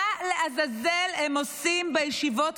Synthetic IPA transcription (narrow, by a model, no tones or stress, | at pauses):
aleʔazazelemosimmbejeʃivo̞t